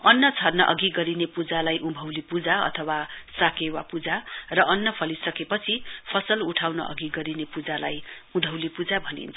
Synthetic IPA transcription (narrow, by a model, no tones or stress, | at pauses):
ʌnːʌt͡sʰʌrnʌʔʌ̰ɡiɡʌɾinepud͡zalajʔũbʱʌwlipud͡zaʌ̰t̪ʰʌwasakewapud͡zarʌʔʌnːʌpʰʌlisʌkepʌt͡sʰipʰʌsʌluʈʰawnʌ̰ʔʌ̰ɡiɡʌɾinepud͡zalajũd̪ʱʌwlipud͡zabʱʌnḭnt̪ʰ